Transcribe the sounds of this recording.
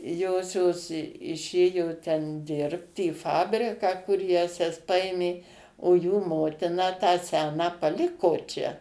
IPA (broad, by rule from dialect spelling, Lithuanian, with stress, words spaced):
ˈjoːsʲoːs ɪˈʃʲeːjoː tʲɛn ˈdʲɪrpt iː ˈfɑːbʲrʲɪkɑː kʊr ˈjæːsʲɛs ˈpɐeːmʲeː oː juː ˈmoːtʲɪnɐ tɑː ˈsʲæːnɑː pɐˈlʲɪkoː t͡ʃʲɛ